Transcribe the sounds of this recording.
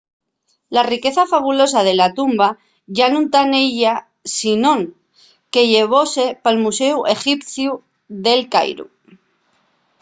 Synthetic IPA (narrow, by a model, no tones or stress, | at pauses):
larike̞θafaβulo̞s̬aðe̞lat̪umba | ʝanũnt̪ane̞ʝa | sinõ̞ŋ | ke̞ʝe̞β̞o̞se̞palmuse̞uʔe̞xipθju | ðe̞lka̰jɾṵ